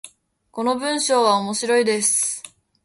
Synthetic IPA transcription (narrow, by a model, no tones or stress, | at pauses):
ko̞no̞bɯ̟̃ɰ̃ɕo̞ːβaomoɕiɾo̞id̪e̞sɨ̥